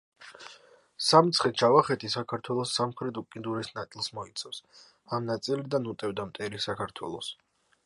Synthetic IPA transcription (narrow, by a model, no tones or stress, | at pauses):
samt̪sʰχɛt͡ʃʰavaχɛt̪ʰisakʰaɾt̪ʰwɛlˠɔsːamχɾɛt̪ukʼind̪uɾɛsnat̪sʼilˠsmɔit̪sʰafs | amnat̪sʼilid̪anut̪ʼɛvd̪amt̪ʼɛɾisakʰaɾt̪ʰwɛ̰lˠɔs